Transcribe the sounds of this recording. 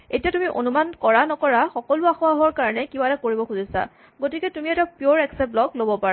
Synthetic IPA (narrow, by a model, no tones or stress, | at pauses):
etijatumiʔo̰numankɔɹanɔkɔɹaxɔkɔluaxuaɦɔɹkaɹɔnɛkibatakoɹibɔxuzisa̰ | ɡotikɛtumiɛtapioɹɛksɛp̚lɔklobɔpaɹa